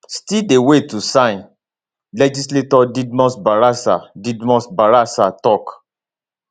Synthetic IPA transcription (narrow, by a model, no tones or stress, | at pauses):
stidewetusãj̃n | lɛd͡ʒisletɔdidmɔ̃sbaɾasa̰didmɔ̃sbaɾasatɔk